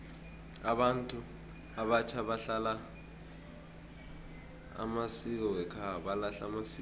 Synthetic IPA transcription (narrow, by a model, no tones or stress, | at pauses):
aɓantʼu | aɓat͡ʃʰaɓaɬala | a̰masik̬ɔwɛkʰaɓalaɬamasi